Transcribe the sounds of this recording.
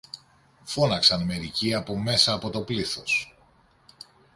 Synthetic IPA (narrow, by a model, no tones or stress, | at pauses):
fo̞nɐksɐnme̞ɾiciɐpo̞me̞sɐːpo̞t̪o̞pliθo̞s